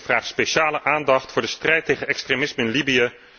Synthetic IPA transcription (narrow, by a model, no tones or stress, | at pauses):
vraːχtspejʃaːləʔaːndɑχtfʊːɹdəstrɛjtejχənɛkstremɪsməɪnlibijə